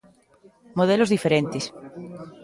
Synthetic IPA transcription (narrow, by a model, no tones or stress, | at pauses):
moð̞elozðifeɾẽnt̪es